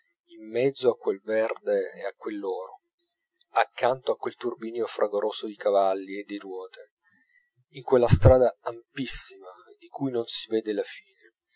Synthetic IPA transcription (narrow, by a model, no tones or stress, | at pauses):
imːɛd̪zːoakːwelvɛrd̪eːakːwelːɔːɾo | akːant̪oakːwelt̪urbiːnjofɾʔaɡoɾʔoːsod̪ikavalːied̪ːerwɔːt̪e | iŋkwelːast̪ɾaːd̪aːmpisːimad̪ikujnonsiveːd̪elafiːne